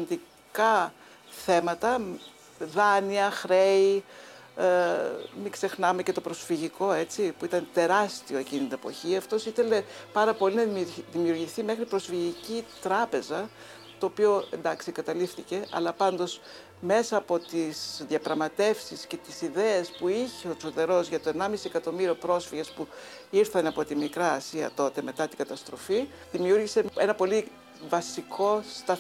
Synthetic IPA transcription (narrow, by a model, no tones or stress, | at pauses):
nd̪i | kɐ | θe̞mɐt̪ɐ | ðɐniɐxɾe̞i | mikse̞xnɐmecet̪o̞pɾo̞sfiʝiko̞e̞t͡sipuit̪ɐnt̪e̞ɾɐst̪io̞e̞cinit̪inepo̞̰çiɐft̪o̞siθe̞le̞pɐɾɐpo̞linɐðimiuɾʝiθime̞xɾipɾo̞sfiʝicit̪ɾɐpe̞zɐ | t̪o̞ːpio̞e̞nd̪ɐksieŋɡɐt̪ɐlifθice̞ʔɐ̰lɐpɐnd̪o̞s | me̞sɐːpo̞t̪isðiɐpɾɐɣmɐt̪e̞fsisce̞t̪isiðe̞espuiçeo̞t͡soðe̞ɾo̞zʝɐt̪o̞enɐmisiekɐt̪o̞miɾio̞pɾo̞sfiʝespu | iɾθɐnɐpo̞t̪imikɾɐːsiɐ̰t̪o̞t̪e̞me̞t̪ɐt̪iɡ̥ɐt̪ɐst̪ɾo̞̰fi | ðimiuɾʝise̞e̞nɐpo̞li | vɐsikʰo̞st̪ɐ